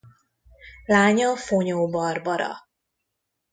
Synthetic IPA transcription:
laːɲɒfoɲoːbɒrbɒɾɒ̰

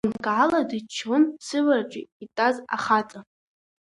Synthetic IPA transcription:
nɡʕaladɨt͡ʃʰonsɨvart͡ʃʷʼḭitʼaza̰χat͡sʼa

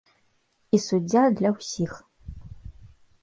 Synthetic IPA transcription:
isud͡zʲjad̪lɐwsiːx

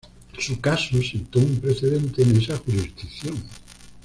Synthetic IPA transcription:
sukasusit̪oumpɾeθeðẽnt̪enesaxuɾizd̪ikθjoŋ

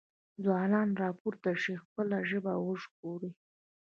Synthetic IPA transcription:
zwɑnɑnɾɑpuɾt̪aʂixpəlaʒəbawəʂɡ̚oɾi

